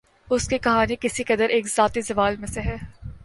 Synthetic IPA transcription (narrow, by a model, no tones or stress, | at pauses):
ʊskekɐɦaːnikɪsikɐd̪əɾeːkzaːt̪izɐʋaːlmẽseɦɛː